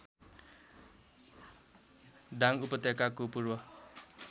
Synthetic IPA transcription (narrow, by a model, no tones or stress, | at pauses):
daŋupʌt̪ekakupurwʌ